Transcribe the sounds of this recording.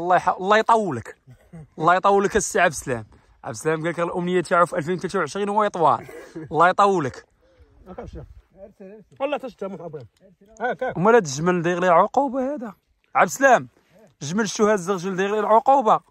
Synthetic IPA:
lˤːɑjħalˤːɑjt̪ˤɑwːlək | lˤːɑjt̪ˤɑwːələkæsːiʕabslæ̰m | ʕa̰bslæmɡælkəɣlʔʊmnəjːæt̪jaʕufʔælfinwt̪læt̪awʕəʃɾinhwæjt̪ˤwɑ̰llːɑjt̪ˤɑwːlək | wlˤːɑt̪æʃt̪ːæmub | mælæt̪̬əʒməld̪iɣlilʕoqubahæd̪æ | ʕabslæm | əʒməlʃuhæd̪zəɣʒəld̪iɣlilʕoqubɑ

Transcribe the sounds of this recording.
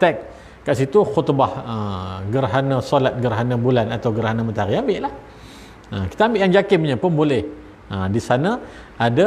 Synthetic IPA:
t̪ɛk̚ | kaʔsit̪uxut̪bahəɡərɦanə̃solat̪̚ɡərɦanãbulanat̪awɡəɾɦanəmənt̪aɾiambɪʔlah | əki̥t̪aambɪʔjaŋd͡ʒakɪmɲəpənbolɛh | ədisanã | ada

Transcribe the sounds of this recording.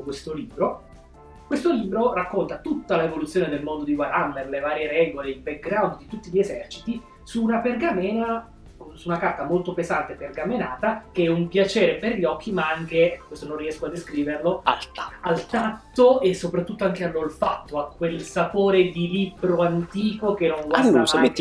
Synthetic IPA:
kwest̪oliːbɾo | kwest̪oliːbɾorakːont̪at̪ut̪ːalaevolut̪sːjoːned̪elmond̪od̪iɡwaɾamːerlevaːɾjeɾɛːɡoleilbɛk̚ɡɾawnd̪d̪it̪ut̪ːiʎezɛrt͡ʃit̪i | suːnaperɡamɛːna | suːnakart̪amolt̪opezant̪epːerɡamenaːt̪ak̟eɛumpjat͡ʃɛːɾeperʎɔk̟ːimaaŋk̟ekwest̪onõnriɛskoad̪ːeskɾiːverloa̰lt̪aalt̪at̪ːoesːopɾat̪ːut̪ːoaŋkealːolfat̪ːoakːwelsapoːɾed̪ilibɾoant̪iːkokenːoŋɡwasase

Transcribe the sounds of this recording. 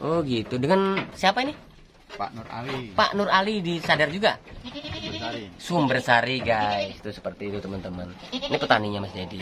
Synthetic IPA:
ʔɔɡit̪udəŋansiapaini | pa̰nura̰lipa̰ʔnʊralidisadard͡ʒuɡa | aisumbərsaɾiɡaist̪usə̥pərt̪iːt̪ut̪əmənt̪əmən | nipət̪aniɲamasd͡ʒadi

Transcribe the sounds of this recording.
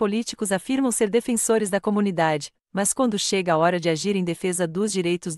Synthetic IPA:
polit͡ʃi̥kʊzafiɾmɐ̃w̃seɾd̪efẽsoɾɪzd̪ɐkomũnid̪ad͡ʒɪ | mɐskwɐ̃nd̪ʊʃeɡɐaɔɾɐd͡ʒɪaʒiɾẽj̃d̪efezɐd̪ʊzd͡ʒiɾejt̪ʊz

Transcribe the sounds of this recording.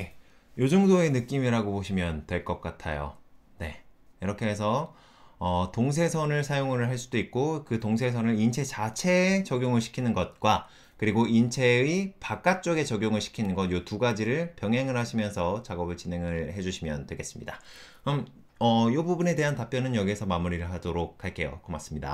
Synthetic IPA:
e | jod͡ʑɯŋdoe̞nɯk͈imiɾaɡoboɕʰimjʌntwe̞ɭk͈ʌk̚k͈atʰa̰jo̰ | ne̞̰ | iɾʌkʰe̞ɦes̬ʰʌ | ʌtoŋs̬ʰe̞sʰʌnɯɭsʰajoŋɯɾɭɦaɭs͈udoik̚k͈okɯtoŋs̬ʰe̞sʰʌnɯɭint͡ɕʰe̞t͡ɕat͡ɕʰe̞t͡ɕʌɡjoŋɯɭɕʰi̥kʰinɯnɡʌt̚k͈wa | kɯɾiɡoint͡ɕʰe̞ipak͈at͡ɕ͈oɡe̞t͡ɕʌɡjoŋɯɭɕʰi̥kʰinɯnɡʌnjotuɡad͡ʑiɾɯɭpjʌŋɦeŋɯɭɦaɕʰimjʌnsʰʌt͡ɕaɡʌbɯɭt͡ɕine̞ŋɯɭhe̞d͡ʑuɕʰimjʌntwe̞ɡe̞s͈ɯ̥mɲida | ɯm | ʌjobubune̞de̞ɦantap͈jʌnɯnjʌɡiesʰʌmamuɾiɾɯɭɦadoɾok̚haɭk͈e̞jo̰komas͈ɯmɲida̰

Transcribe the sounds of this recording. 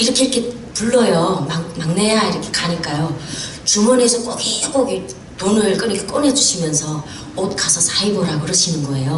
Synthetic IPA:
iɾʌkʰeiɾʌkʰe | puɭːʌjomamaŋnejaiɾʌkʰe̞kaɲik͈ajot͡ɕumʌnesʰʌk͈okeɡoɡe | tonɯɭk͈ɯɾɯkʰek͈ʌnɦe̞d͡ʑuɕʰimjʌnsʰʌ | ot̚k͈asʰʌsʰaiboɾakɯɾʌɕʰinɯnɡʌe̞jo

